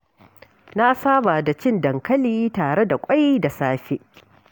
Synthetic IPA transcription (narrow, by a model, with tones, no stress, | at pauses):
na˦ʔa˦saː˦ba˨da˨t͡ʃɪ˦˨ndɐ˨ŋkɐ˦liː˦taː˨ɽe˦da˨kʷʼa˦jda˨saː˦ɸe˦ʔ